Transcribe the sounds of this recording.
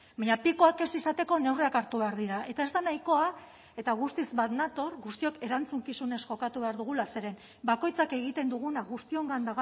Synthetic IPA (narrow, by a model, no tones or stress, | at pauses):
baɲapikoake̞sisat̪e̞ko̞ne̞wreakaɾt̪uβe̞aɾðiɾaʔe̞t̪ae̞zd̪anajko̞a | e̞t̪aɣ̞ust̪izβat̪nat̪o̞ɾɣust̪io̞ke̞ɾant͡suŋkisune̞sʝo̞kat̪uβe̞aɾðuɣ̞ulase̞ɾe̞n | bako̞jt͡sake̞ɣ̞it̪e̞nd̪uɣ̞unaɣust̪io̞ŋɡand̪aɣ